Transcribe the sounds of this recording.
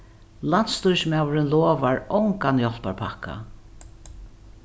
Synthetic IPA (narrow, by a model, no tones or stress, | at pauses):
lan̥t̪st̪ujsmaːwɾɪnlɔːvaɹɔwŋkanjɔl̥paɹpʰakːa̰